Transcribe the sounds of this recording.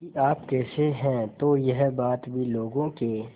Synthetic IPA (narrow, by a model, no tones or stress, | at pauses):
iʔaːpkɛːseɦɛ̃ːt̪ojɐɦbaːt̪bʱiloːɡõkeː